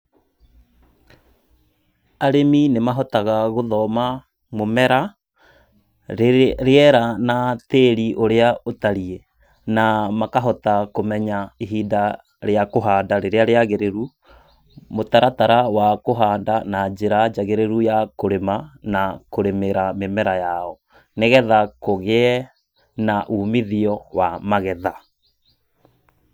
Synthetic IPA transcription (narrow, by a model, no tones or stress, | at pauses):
aɾeminemaɦɔtaɣaɣoðɔma | momɛɾa | ɾeɛɾanateːɾiʔoɾeaotaɾiɛ | namakaɦɔtakomɛɲaeɦiːda | ɾeakoɦaːndaɾeɾeaɾeaɣeɾeɾu | motaɾataɾawakoɦaːndanad͡ʑeɾad͡ʒaɣeɾeɾujakoɾemanakoɾemeɾamemɛɾajaɔ | neɣɛðakoɣeɛ | naʔuːmiðiɔwamaɣɛða